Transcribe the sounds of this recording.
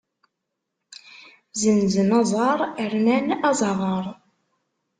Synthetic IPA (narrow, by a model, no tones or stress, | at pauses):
zənzənɑzˤɑɾˤəɾnænɑzˤɑʁəɾˤ